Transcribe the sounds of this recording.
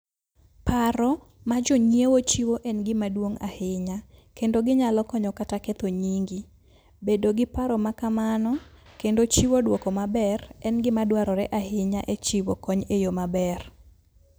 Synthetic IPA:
paɾɔ | mad͡ʒɔɲjewot͡ʃiwoʔɛnɡɪmadwoŋa̰hɪɲakendoɡɪɲalɔkɔɲɔkataket̪oɲiŋɡi | bedoɡɪpaɾɔmakamanɔkendot͡ʃiwodwokɔmabɛrɛnɡɪmadwaɾɔɾɛʔahɪɲa̰ʔet͡ʃiwokɔɲejomabɛr

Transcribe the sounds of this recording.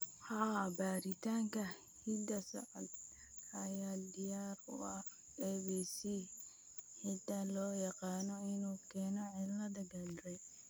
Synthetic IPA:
haːbaːɾɪt̪aːŋkɐ | hɪd̪ɐsɐ̰ʔɐ̰d̪ | ɐjaːd̪ɪjaːɾʊ̰ɐ | ɛːbisi | hɪt̪ɐlɔːjɐqɑːnɔɪnuːkʰɛːnɔʕɪlːɐd̪ɐɡɐlɾɛ

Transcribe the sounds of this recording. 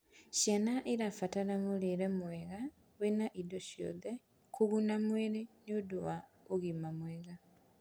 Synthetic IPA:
ʃjanaʔiɾafatalamuliɾemweɣa | winaʔidoʃjo̰ðe | kuɣunamweɾinuduwa | uɣimamweɣa

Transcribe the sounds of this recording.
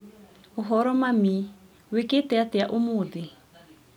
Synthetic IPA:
uɦɔɾɔmami | wikɪtɛatɛjaʔumuːd̪i

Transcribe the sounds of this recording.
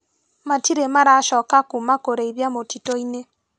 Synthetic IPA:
matiɾemaɾaʃɔkakumakoɾeiβjamotitoine

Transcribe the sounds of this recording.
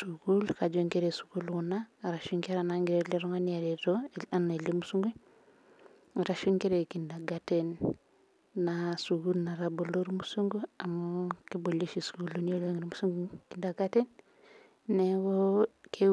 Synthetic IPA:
suɡulkad͡ʒoŋkeɾesu̥ɡulwunaɾaʃuŋkeɾanaŋɡiɾeliɾoŋanijaɾetoanelimusuŋɡu | ɾaʃuŋkeɾekindaɡatenː | asuɡulnaɾaboloɾmusuŋɡuamokeboloʃisuɡulonioloŋiɾimusuŋɡukindaɡaten | newokʰe

